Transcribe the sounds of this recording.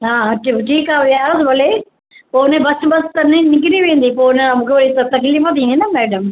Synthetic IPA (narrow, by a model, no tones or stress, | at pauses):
ɦãːaʈiʈʰiːkaːʋasʋɐle | poːnẽbɐsbɐst̪ɐnenɪk̬ɪɾiʋẽːə̃nd̪ipoːnəamũːkʰeʋɐɾit̪ɐt̪ɐkliːfə̃t̪̬ʰĩːnd̪inɐmɛːɖəm